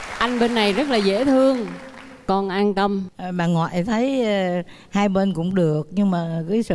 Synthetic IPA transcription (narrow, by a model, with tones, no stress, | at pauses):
ʔa˧jŋ̟ɓe˧nːa˨˩jzə˦˥t̚laː˨˩zḛ˧˥t̪ʰɨ˧əŋ | kɔ˨˧˩nʔaː˧nt̪ə˧m˨˩ɓaː˨˩ŋɔ̰ː˧˨jt̪ʰə˨˦j | haː˧jɓe˧nkʊ̰˧˥ŋ͡mɗɨ˨˩ək̚ɲɨ˧ŋmaː˨˩kɨ˨˦sɨ̰˧